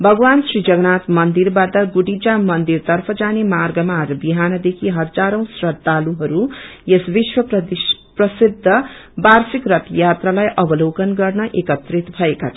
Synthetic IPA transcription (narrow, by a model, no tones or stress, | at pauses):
bʱʌɡʌwansrid͡zʌɡnat̪mʌnd̪iɾbat̪ʌɡuɽid͡zamʌnd̪irt̪ʌrpʰʌd͡zanemarɡʌmaɾbiɦanʌd̪ekʰiɦʌd͡zaɾʌ̃w̃srʌd̪ʱːaluɦʌɾujesbiswʌp̪prʌsid̪ʱːʌbarsikrʌt̪jat̪ralajʔʌbʌlowkʌnɡʌrnʌʔekʌt̪rit̪bʱʌekatʰʌ